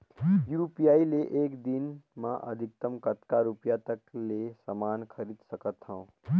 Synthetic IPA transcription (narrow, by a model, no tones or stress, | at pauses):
juɾpijaːileʔeːkd̪inmãʔɐ̰d̪ʱɪk̚t̪əmkət̪kaɾupjat̪əklesamaːnkʰəɾiːd̪səkət̪ɦãũ